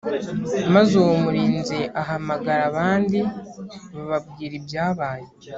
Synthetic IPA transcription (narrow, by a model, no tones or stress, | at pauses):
mazomuɾiːnze̞ʔaɦamaɡaɾaβaːndi | βaβabɡiːɾibjaːβaːje